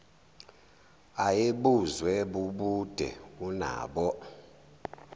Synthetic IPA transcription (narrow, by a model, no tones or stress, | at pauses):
ajeɓuzwɛɓuɓud̥ʱɛ̰una̰ːɓɔ